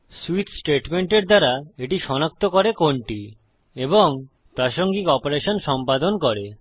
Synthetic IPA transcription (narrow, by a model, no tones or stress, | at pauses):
suit̪ʰsʈeʈmeɳʈeɾd̪aɾaeʈiʃɔnak̚t̪okoɾekoɳʈi | eboŋ | t̪aʃoŋɡikɔpoɾeʃonʃɔmpad̪onkoɾe